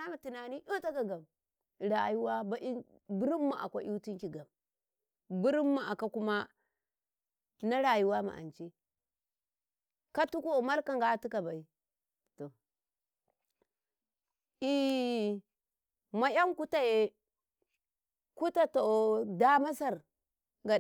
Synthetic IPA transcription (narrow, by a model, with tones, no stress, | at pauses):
a˦ma˨ti˨na˨ni˦ʔu˦ta˦ka˨ɡa˨m | ɾa˨ju˦wa˦ba˦i˦ | bu˦ɾi˦mːa̰˨ʔa̰˨kʷa˦ʔi˦ti˦ŋki˨ɡa˨m | bu˦ɾi˦mːa˨ʔa˨ka˦ku˦ma˦ | na˦ɾa˨ju˦wa˦ma̰˨ʔa̰˨nt͡ʃi˦ | ka˦tu˦ku˦˨ma˦lka˨ŋɡa˦tu˦ka˨ba˨i˦ | to˨ | i˦ | ma˨ja˦ŋku˦ta˨je˦ | ku˦ta˨to˨da˦ma˦sa˨ɾ | ɡa˨